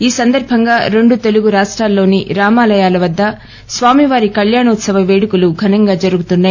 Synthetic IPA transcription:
iːsɐnd̪ɐɾbʱɐŋɡaːɾe̞ɳɖut̪e̞luɡuɾaːʂʈɾaːlːo̞ːniɾaːmaːlɐjaːlɐʋɐd̪ːɐ | sʋaːmiʋaːɾikɐljaːɳɐut̪sɐʋɐʋeːɽukuluɡʱɐnɐŋɡaːd͡ʒɐɾuɡut̪unːaːj

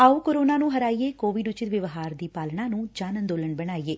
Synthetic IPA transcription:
aːuːkoɾoːnaːnũːɦəɾaːieːkoːʋiɖʊt͡ʃɪt̪ʋɪʋɦaːɾd̪iːpaːlɳaːnũːd͡ʒaːnənd̪oːləɳbəɽ̃aːiːeː

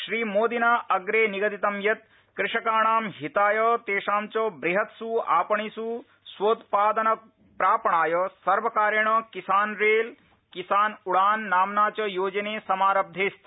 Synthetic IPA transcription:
ʃɾiːmoːd̪inaːʔɐɡɾeːniɡɐd̪it̪ɐmjɐt̪̚ | kɾɪʂɐkaːɳaːmɦit̪aːjɐt̪eːʂaːmt͡ʃɐbɾiɦɐt̪sua̰ːpɐɳisu | sʋoːt̪paːd̪ɐnɐ | pɾaːpɐɳaːjɐsɐɾʋɐkaːɾjɐɳɐkisaːnɾeːl | kisaːnuɽaːnːaːmnaːt͡ʃɐjoːd͡ʒɐneːsɐmaːɾɐb̚d̪ʱeːst̪

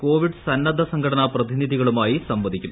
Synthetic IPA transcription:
ko̞ːʋiɖɨsɐnːɐd̪ʱɐsɐŋɡʰʱɐʈɐnɐprɐd̪iniðʱiɣɐɭumaːjisɐmbɐd̪ikʲːum

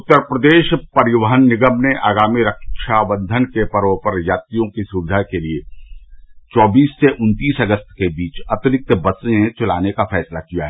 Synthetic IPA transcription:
ʊt̪ːəɾpɾəd̪eːʃpɐɾɪwəɦənːɪɡəmneʔaːɡaːmiɾəkʃaːbə̃nd̪ʱənkepɐɾopəɾjaːt̪ijõkisuːbɪd̪ʱakelie | t͡ʃɔːbiːsːeʔʊ̃nt̪iːsɐɡəst̪kebiːt͡ʃɐt̪ɪɾɪk̚t̪bɐsẽt͡ʃʊla̰ːnekafʰɛːslakijaɦɛː

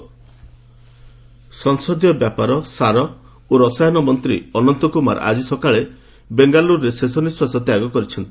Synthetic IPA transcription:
sɔŋsɔd̪jɔbjapaɾɔsaɾɔ | oɾɔsajɔnɔmɔnt̪ɾḭɔnɔnt̪ɔkuma̰ɾʔa̰d͡ʒisɔkaɭe | beŋɡaluɾːesesɔniswasɔt̪jaɡɔkɔɾit͡ʃʰɔnt̪i

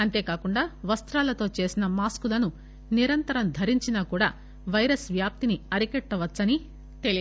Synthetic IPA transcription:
ɐnt̪e̞ːkaːkuɳɖaːʋɐst̪ɾaːlɐt̪o̞ːt͡ʃe̞ːsinɐmaːskulɐnu | niɾɐnt̪ɐɾɐmd̪ʱɐɾiɲt͡ʃinaːkuːɽa̰ː | ʋɐjɾɐsʋjaːp̚t̪iniɐɾikɛʈːɐʋɐtːsɐni | t̪eli

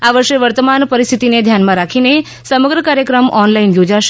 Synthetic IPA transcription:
aʋəɾʃeʋəɾt̪əmanpəɾist̪ʰit̪ined̪ʱjanmãɾakʰine | səməɡɾəkaɾjəkɾəmɔnlainjod͡ʒaʃ

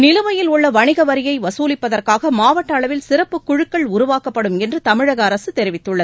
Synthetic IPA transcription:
nɪlɯʋɐjɪlʊɭːɐʋɐɳɪɣɐʋɐɾɪjɐɪʋɐsuːlɪpːɐðɐrkaːɣɐmaːʋɐʈːɐːɭɐʋɪlsɪrɐpːɯkːʊɻɯkːɐɭʊɾʊʋaːkɐpːɐɽɯmɛndrɯt̪ɐmɪɻɐɣɐːɾɐsɯt̪ɛɾɪʋɪt̪ːɯɭːɐð

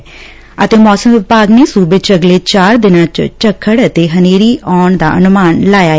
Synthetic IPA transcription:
ət̪eːmɔːsəmʋɪpaːɡneːsuːbɪt͡ʃəɡleːt͡ʃaːɾd̪ɪnãːt͡ʃt͡ʃəkʰːəɽət̪eːɦəneːɾiːʔɔːɳd̪a̰ːʔənʊmaːnlaːjaːɛ

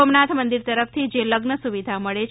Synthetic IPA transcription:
omnat̪ʰmənd̪iɾt̪əɾəft̪ʰid͡ʒeləɡnəsuʋid̪ʱaməɭe

